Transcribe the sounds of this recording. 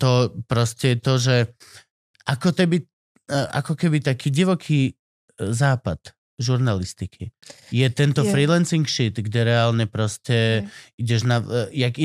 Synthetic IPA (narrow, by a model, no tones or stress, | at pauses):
t̪ɔpɾɔscɛt̪ɔʒɛ | ʔakɔkɛbi | ʔa̰kɔkɛbit̪akiːɟiʋɔkʰiː | zaːpat̪ | ʒuɾnalist̪ikʰijɛt̪ɛnt̪ɔfɾilɛnsiŋkʃit̪ɡɟɛɾɛaːlɲɛpɾɔscɛiɟɛʒnajaɡi